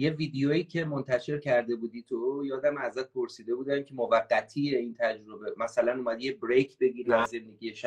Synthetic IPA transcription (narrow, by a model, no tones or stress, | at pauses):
je̞viːd̪ejoiːcʰe̞mo̞nt̪ʰæʃe̞ɾcʰæɾd̪e̞buːd̪iːt̪ʰojɒːd̪æmæzæt̪̚pʰo̞ɾsiːd̪e̞buːd̪æmcʲʰe̞movæɢːæt̪ʰiːjeint̪ʰæd͡ʒɾo̞be̞mæsælænuːmæd̪ijebɾejkʰbe̞ɡiːɾæze̞nd̪e̞ɟʲijeʃæ